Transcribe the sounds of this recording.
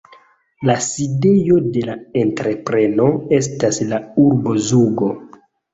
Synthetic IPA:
laside̞jo̞de̞laentɾe̞pɾe̞no̞e̞s̬taslauɾbo̞zuɡo

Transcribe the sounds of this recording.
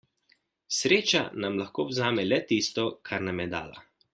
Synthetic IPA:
sɾeːt͡ʃanamlaxkoːwzaːmɛlɛt̪iːst̪ɔkʰaɾnamjɛd̪a̰ːla̰

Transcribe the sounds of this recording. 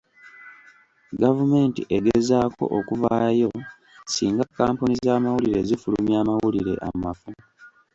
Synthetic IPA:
ɡavume̞ːntḭʔe̞ɡezaːko̞̰ʔokuvaːjo̞ | siːŋɡakːaːmpunizaːmawuliɾe̞zifulṵmjaːmawuliɾe̞̰ʔamafu

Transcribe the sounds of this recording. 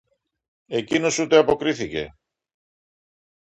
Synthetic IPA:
ekinusut̪eapokɾiθikḛ

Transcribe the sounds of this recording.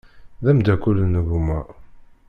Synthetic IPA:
ðæmd̪ækulːnəɣumæ

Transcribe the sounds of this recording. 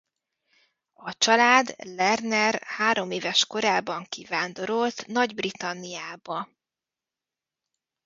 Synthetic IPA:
ɒt͡ʃɒlaːd̪lɛrnɛrhaːɾo̞meːvɛʃko̞ɾaːbɒŋkivaːnd̪o̞ɾo̞lt̪nɒɟbrit̪ɒnːijaːbɒ

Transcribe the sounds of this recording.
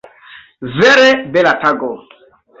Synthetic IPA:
veɾebelataɡo

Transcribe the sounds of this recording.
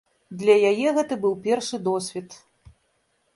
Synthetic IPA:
d̪lʲɐjajɛɣɛt̪ɐbɨwpʲɛrʂɨd̪ɔsʲvʲit̪

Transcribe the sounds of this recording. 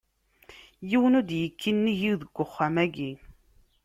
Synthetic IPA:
jiwənud̪jəkʰːinːiʝiwðəɡ̥ʷːʊχːamæɡi

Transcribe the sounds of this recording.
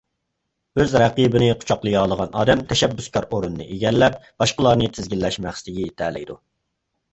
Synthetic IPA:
øzɾɛqibɪnɪqʰʊ̥t͡ʃʰɑqlˠɨjɑːlˠəʁɑnɑːd̪ɛmt̪ʰɛʃɛbːyskʰɑɾoɾunɨːɨ̰ʔeɡʲɛlːɛp̚b̥ɑʃqəlˠɑɾnɨt̪ʰɪzɡʲilːɛʃmæχsɪ̥t̪ʰɪɡʲit̪ʰæːlɛ̰jd̪u

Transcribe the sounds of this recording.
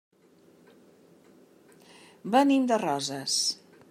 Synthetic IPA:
bənimd̪ərɔzəs

